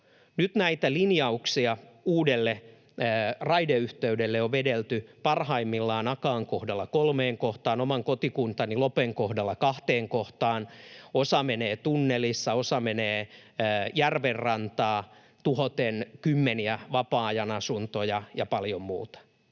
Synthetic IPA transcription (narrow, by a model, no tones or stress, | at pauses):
nyt̪næit̪ælinjɑuksiɑuːdelːeː | rɑideyht̪eydelːeoʋʋedelt̪ypɑrhɑimːilːɑːnɑkɑːŋkohdɑlːɑkolmeːŋkoht̪ɑːnomɑŋkot̪ikunt̪ɑnilopeŋkohdɑlːɑkɑht̪eːŋkoht̪ɑːnosɑmeneːt̪unːelisːɑosɑmeneː | jærʋerrɑnt̪ɑː | t̪uhot̪enkymːeniæʋɑpɑːjɑnɑsunt̪ojɑjɑpɑljommṵːt̪ɑ̥